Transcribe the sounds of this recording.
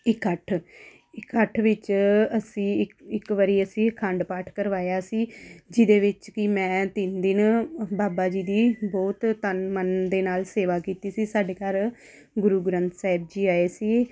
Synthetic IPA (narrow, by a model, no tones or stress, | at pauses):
ɪkːəʈʰ | ɪkːəʈʰʋɪt͡ʃəsĩːɪɪkʋəɾiːəsĩːkʰəɳɖpaːʈʰkəɾʋaːjaːsiːd͡ʒɪd̪eːʋɪt͡ʃkɪmɛ̃ːt̪ɪnd̪ɪnbaːbaːd͡ʒiːd̪iːbɔːt̪tənmənd̪eːnaːlseːʋaːkiːt̪iːsiːsaːɖeːkaɾ | ɡʊɾuːɡɾə̃nt̪saːɪb̚d͡ʒiːaːeːsiː